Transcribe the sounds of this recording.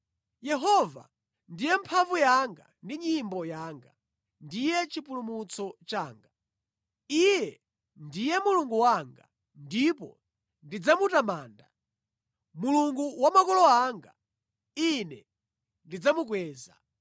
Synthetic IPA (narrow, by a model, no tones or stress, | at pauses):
jɛɦɔva̰ | ndijɛmpʰaɱvujaŋɡa̰ndiɲimbɔjaːŋɡa | ndijɛt͡ʃipulumut͡sʰɔt͡ʃaːŋɡa | ijɛ | ndijɛmuluŋɡuwaŋɡa̰ | ndipɔ̰ | ndid͡zamutamaːnda | muluŋɡuwamakɔlɔaːŋɡa̰ | inɛ | ndid͡zamuk̬wɛːza̰